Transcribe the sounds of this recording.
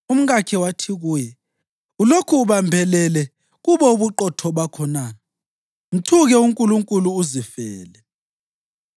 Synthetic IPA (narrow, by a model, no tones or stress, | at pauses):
um̩ɣakʰɛwatʰiɣuːjɛ | ulokʰuːβambʱɛlɛlɛ | ɣuβɔuβuǃɔtʰɔɓakʰɔnaːna | m̩tʰuɣɛuŋkʼuluŋkʼuluːzifɛːlɛ